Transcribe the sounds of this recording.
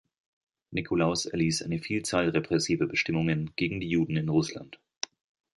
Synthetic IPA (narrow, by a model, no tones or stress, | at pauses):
nikʰolaʊsɛɐliːsʔa̰ɪnəfiːlt͡saːlʁepʁ̥ɛsiːvəbəʃtɪmʊŋənɡ̥eːɡŋ̩diːjuːdn̩ɪnʁʊsla̰nt